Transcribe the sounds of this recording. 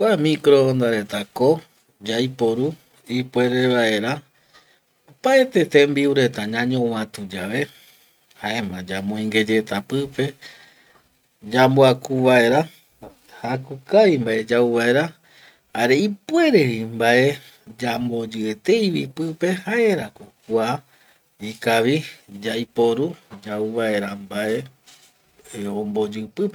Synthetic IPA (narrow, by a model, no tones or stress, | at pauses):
kʷamĩkɾo̞nd̪aɾe̞t̪ako̞ | d͡ʒajpo̞ɾu | ipwe̞ɾe̞βaʔe̞ɾa | opaet̪e̞t̪ẽmbiuɾe̞t̪aɲãɲõwãt̪ud͡ʒaʋe̞ | haʔe̞mãd͡ʒamõĩŋɡe̞d͡ʒe̞t̪apɨpe̞ | d͡ʒamboakuβae̞ɾa | hakukaimbaʔe̞d͡ʒauβae̞ɾa | haɾe̞ipue̞ɾeɾimbaʔe̞ | d͡ʒambod͡ʒɨet̪e̞jβipɨpe̞haʔe̞ɾakokua | ikaʋid͡ʒajpoɾud͡ʒauβae̞ɾambaʔe̞ | õmbo̞d͡ʒɨpɨpe